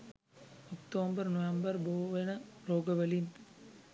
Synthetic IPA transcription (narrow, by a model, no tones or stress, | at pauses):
ɔkʈoːmbɐɾnoʋembɐɾboːʋɐnɐɾoːɡɐʋɐlin